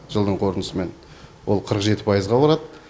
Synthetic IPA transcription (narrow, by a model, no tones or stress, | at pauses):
ʒ̥əlˠd̪əɴqʰo̞ɾənəsəme̞n | wo̞lˠqʰəɾəqʒe̞t̪ɪ̥pʰɑjəzʁɑbɑɾɑd̪